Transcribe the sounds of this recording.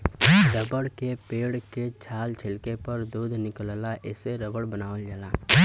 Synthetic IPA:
ɾəbəɽkepeːɽket͡ʃʰaːlt͡ʃʰɪlkepɐɾd̪uːd̪ʱnɪkəllaʔɪseɾəbəɽbənaːʋəld͡ʒalaː

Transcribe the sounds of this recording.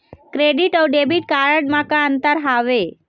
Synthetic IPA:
kɾeɖiʈəwɖebiːʈ̚kaɾəʈmakaənt̪əɾɦaʋe

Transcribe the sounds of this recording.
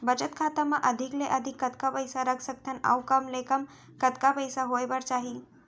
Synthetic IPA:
bəd͡ʒət̪kʰat̪amãʔəd̪ʱɪkleʔəd̪ʱɪkːət̪kapəjsaɾəkʰsək̚t̪ʰənə̰ʋkəmlekəm | kət̪kapəjsaɦojbəɾt͡ʃaːɦi

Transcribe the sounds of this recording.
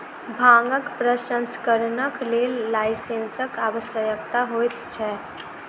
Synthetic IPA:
bʱãŋɡəkpɾəsənskəɾnəklelːaɪsensəkaʋəsjəjəkt̪aɦojt̪t͡ʃʰɛ

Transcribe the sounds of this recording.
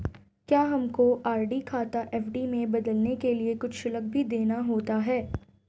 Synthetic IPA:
kjaːɦɐmkoʔaːɾɖikʰaːt̪aʔɛːfɖimẽbɐd̪əlnekeliekʊt͡ʃʰʃɪlək̚bʱid̪eːnaɦoːt̪aɦɛː

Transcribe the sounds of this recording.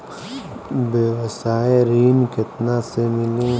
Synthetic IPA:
beʋəsaːeɾiːnket̪nasemɪlẽ

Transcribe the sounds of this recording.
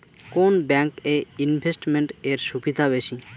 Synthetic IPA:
konbɛŋkeinbʱesʈmeɳʈeɾʃubid̪ʱaβeʃĩ

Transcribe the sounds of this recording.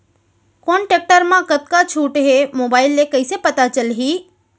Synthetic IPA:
koːnʈeːk̚ʈəɾmãkət̪̚kat͡ʃʰuːʈɦemoːbaːɪlːekəisepət̪at͡ʃəlɦiː

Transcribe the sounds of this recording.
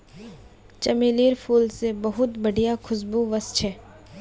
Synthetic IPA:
t͡ʃɐmeːliːɾpʰuːlsebɐɦʊt̪bɐɽijakʰʊsbuʋɐst͡ʃʰɛː

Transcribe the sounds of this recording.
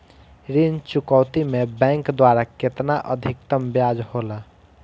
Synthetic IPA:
ɾint͡ʃukɔwt̪imebɛ̃ŋkd̪waɾaket̪naʔəd̪ʱikt̪əmbjad͡ʒhola

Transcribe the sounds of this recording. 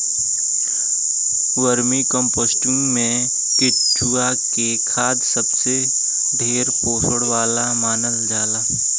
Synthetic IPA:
wəɾmĩkə̃mpoːsʈʊ̃ŋɡmẽ | kɪ | t͡ʃua | kekʰaːd̪səbse | d̪ʱeːɾpoːsəɽʋaːlamaːnəld͡ʒaːlaː

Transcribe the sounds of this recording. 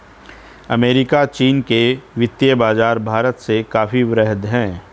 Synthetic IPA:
ɐ̰meːɾɪkat͡ʃiːnkeʋɪt̪jəbaːd͡ʒaːɾbʱaːɾət̪sekaːfiʋɾɛɦd̪ɦɛ̃ː

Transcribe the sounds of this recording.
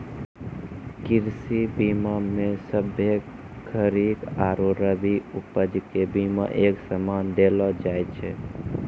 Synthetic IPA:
kiɾsibimamesəbʱe | kʰəɾikaːɾoɾəbiupəd͡ʒkebima̰ʔeːksəmand̪elɔd͡ʒajt͡ʃʰɛ

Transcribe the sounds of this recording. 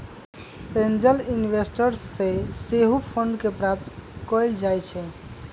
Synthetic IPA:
tẽnd͡ʒəlinbesʈəɾseseɦupʰəɳɖkepɾap̚t̪kɔjld͡ʒajt͡ʃʰɛ

